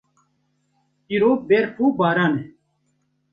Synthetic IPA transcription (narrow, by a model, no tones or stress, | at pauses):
tiɾoːbeːɾkʰuːbaːɾaːne